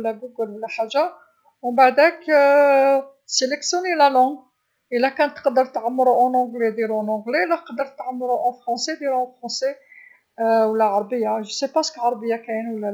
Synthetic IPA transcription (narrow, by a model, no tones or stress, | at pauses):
lːæɡuɡəllħaʒa | mɑbaʕd̪æk | seləksjunelælɑ̃ɡ | əlækɑ̃nt̪ə̥qd̪əɾˤt̪ʕamːɾuʔɑ̃nɔ̃ɡled̪iɾonɔ̃ɡlelæqd̪əɾˤt̪ʕəmːɾuʔɑ̃fʁɑ̃sed̪iɾfʁɑ̃se | wəlːæʕɑɾˤbəjːaʒəsepasə̥kʕɑɾˤbəjːakænwəlːæ